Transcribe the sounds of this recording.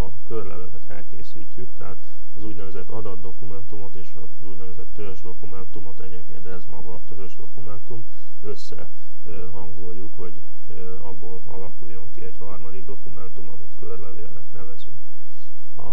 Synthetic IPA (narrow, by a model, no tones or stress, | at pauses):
ɒkørlɛ̰vɛvɛt̪fɛ̰lkeːsiːcːykt̪ɛɦaːt̪ | ɒzuːɟnɛvɛzɛt̪ːɒd̪ɒd̪ːo̞kumɛnt̪umo̞t̪eːʃɒ | zuɟnɛvɛzɛt̪ːøøʒd̪o̞kumɛnt̪umo̞t̪ɛɟeːkmkḛːnt̪ɛzmɒɡɒt̪øɦøʒd̪o̞kumɛnt̪um | ø̞sːɛ̰ | ɦɒŋɡo̞jːukho̞ɟ | ɒbːoːlɒ̰lɒkujːo̞ŋkiɛchɒrmɒd̪iɡd̪o̞kumɛnt̪umɒ̰mit̪kørlɛvḛːnɛ̰t̪nɛvɛzyŋk | ɒ̰